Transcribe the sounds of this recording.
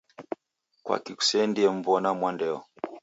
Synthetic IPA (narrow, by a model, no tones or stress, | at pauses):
kwa̰kiku̥sɛndiɛm̩vɔnamwandɛɔ̰